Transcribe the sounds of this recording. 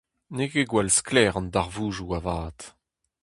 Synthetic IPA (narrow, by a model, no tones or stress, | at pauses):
nekeɡwalsklɛːʁɑ̃ndaʁvuːʒuavaːt̪